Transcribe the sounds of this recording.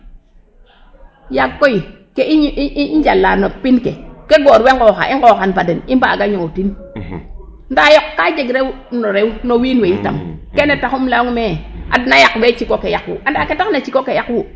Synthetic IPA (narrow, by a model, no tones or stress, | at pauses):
jakːoi | keiɲd͡ʒalːanopinkḛkeɡoːɾweŋɡoxa̰ʔiŋɡoxanbadenimbaːɡaɲoŋotin | ndajokːad͡ʒeɡɾew | noɾewnowinweita̰mkenetakumlaŋmea̰dnajakwet͡ʃikokejakwṵʔandaketaknat͡ʃikokejakwu